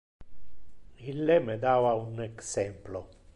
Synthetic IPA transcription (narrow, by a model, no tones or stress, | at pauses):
ilːemed̪aːvauneksɛmplo